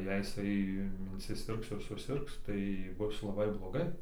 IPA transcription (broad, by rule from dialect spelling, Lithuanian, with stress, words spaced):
jɛɪ jɪˈsɐɪ ɪnʲsʲɪˈsʲɪrks ɪr sʊˈsʲɪrks tɐɪ ˈbʊs lˠɐˈbɐɪ blˠoːˈɡɐɪ